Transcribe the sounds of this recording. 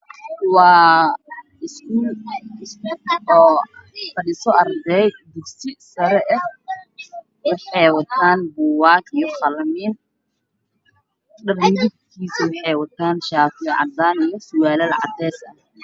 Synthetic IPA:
wɑː | ɪskʊ | fɐɗɪsɔɐrd̪ɛjd̪ʊɡsɪsɐɾɛʔɐh | wɑħɑjwɐt̪ʰaːnbuwaːkijɔχɑlɐmiːn | ɗɐrmɾɪɡkʰiːsɪwɑħɑjwɐt̪ʰaːnʃaːt̪ɪʕɑ̰d̪aːnijɔsʊwaːlɐlʕɑ̰d̪ɛːsɐ

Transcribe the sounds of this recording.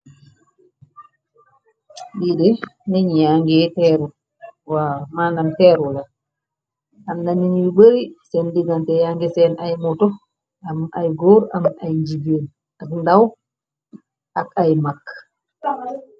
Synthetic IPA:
ɗidɛnɛɲjaŋɡɛtɛɾu | wamaːndamtɛɾula | amnaninwibəɾisɛndiɡantɛjaŋɡɛsɛnajmɔtɔ | amʔajɡɔɾamajɲd͡ʒiben | akndaw | ʔakajmakː

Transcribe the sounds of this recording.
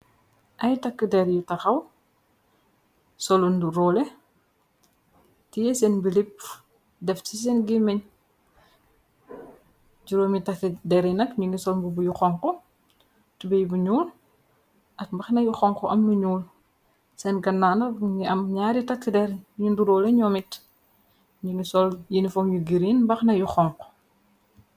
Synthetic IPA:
ʔɐjtɐkːədɛɾjutɐxɐw | sɔlunduɾɔːlɛ | tijɛsɛnbilip̚ | dɛftis̬ɛnɡimɛɲ | d͡ʒuɾoːmitɐkːidɛɾinɐkɲuŋɡisɔlbubujuxɔŋkɔ | tubɛjbuɲuːl | ʔɐk̚mbɐxnɐjuxɔŋkɔʔɐmnuɲuːl | sɛnɡɐnːaːnɐŋiɐmɲaːɾitɐkːidɛɾɲunduɾɔːlɛɲɔmit | ɲuŋisɔljinifɔŋjuɡiɾinmbɐxnɐjuxɔŋkɔ̥

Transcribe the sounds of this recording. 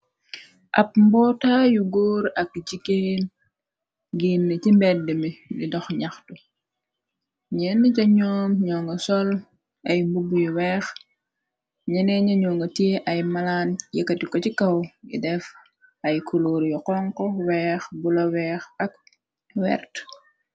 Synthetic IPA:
ʔɐp̚mbɔːtajuɡoːɾɐk̚d͡ʒiken | ɡinːɐcimbɛdəmilḭdɔxɲaxtu | ɲɛnːəcɐɲɔːmɲɔŋɡɐsɔl | ɐjmbubujuwɛːx | ɲɛnɛɲɐɲɔːŋɡɐtiʔɐjmɐlaːnjɐkːɐtikɔcikɐwɡḭdɛf | ɐjkʰuloːɾjɔqɔŋkɔwɛːxbulɐwɛːxɐk̚ | wɛ̰ɾt

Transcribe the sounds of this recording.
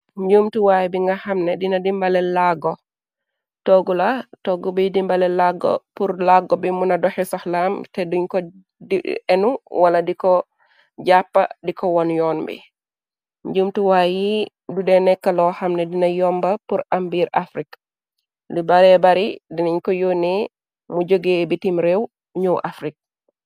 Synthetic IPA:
ɲɟumtuwaːjbiŋɡahamnɛdinadimbalɛlaɡɔ | tɔɡulatɔɡubidimbalɛlaɡɔ̰puɾlaɡɔbimunadɔhɛsɔhlamtɛduɲkɔ | diɛnuwaladikɔ | d͡ʒapːa̰dikɔwɔnjɔnbḭ | ɲɟumtuwaːji | dudɛnɛkːɐlɔhamnɛdinɐjɔmbɐpuɾambiːɾafɾik | dubaɾɛbaɾidiniɲkɔjoːnɛ | muɟoɡebitimɾɛw | ɲuʔafɾik̚

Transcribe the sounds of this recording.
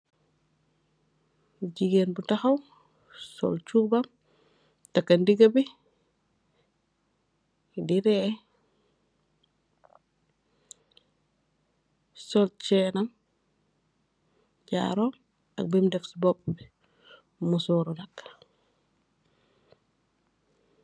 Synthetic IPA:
ɟiɡenbutaxɐw | sɔ̰lt͡ʃubam | takːɐndiɡɐbi | diɾɛ | sɔlt͡ʃɛːnam | ɟa̰ːɾɔ | ɐ̰k̚bɛmdɛfsbɔp̚bi | musɔɾɔlɐk

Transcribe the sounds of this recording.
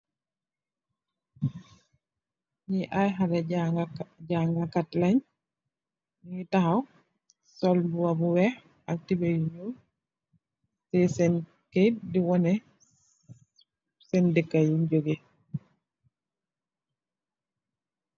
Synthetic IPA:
ɲiʔajɦalɛ | ɟaŋɡakatlaɲ | ŋitahaw | sɔlbuwabuwɛh | ak̚tibejuɲu | sɛsɛn | kediwɔnɛ | sɛndikːajuɲɟoɡe

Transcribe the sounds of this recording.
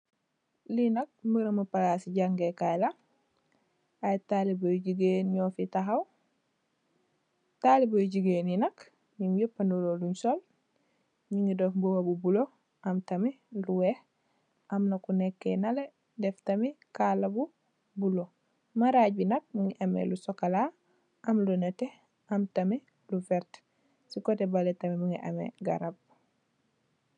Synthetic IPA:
linɐk̚mbuɾɐmapalasiɟaŋɡekajla | ajtalibojɟiɡeːnɲofitaɦaw | talibojɟiɡeːninɐk | ɲiŋjupːanuloluɲsol | ɲiŋɡidofbuwabubulo | ɐmtɐmi | luweh | ʔamnakunekːḛnɐle | deftamikalabu | bulo | maɾaɟbinɐk̚muŋiʔamḛlusokala | ʔɐmlunɐte | ɐmtame | lufɛɾt | sikotebaletamimuŋiʔa̰mḛɡa̰ɾab̚

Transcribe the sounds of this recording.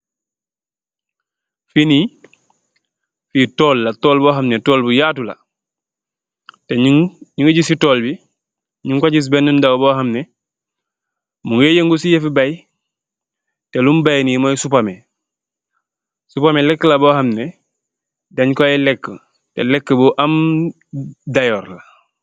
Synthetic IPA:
fini | fitɔːlːatoːlboːɦamnetɔːlbujaːtula̰ | teɲuŋɡuɟisitoːlbi | ɲuŋkaɟis̬bɛnːundawboːɦamnɛ | muŋjejeŋɡusijefibaj | tɛlumbajnimojsupame | supamelɛkːəlaboːhamnɛ | dɐɲkojɛlɛkːə | tḛlɛkːəboʔam | dajɔːɾla

